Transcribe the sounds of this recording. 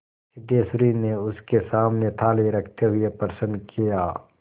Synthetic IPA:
ɪd̪eːsɾineʊskesaːmnet̪ʰaːliɾɐkʰt̪eɦʊepəɾsə̃nd̪kijaː

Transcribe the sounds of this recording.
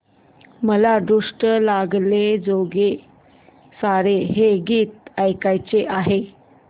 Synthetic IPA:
məlad̪uʂʈəlaɡled͡zoɡe | saɾeɦeɡiːt̪̚əjkajt͡seʔaɦe

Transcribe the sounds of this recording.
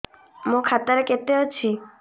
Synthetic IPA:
mũkʰat̪aɾeket̪eot͡ɕʰi

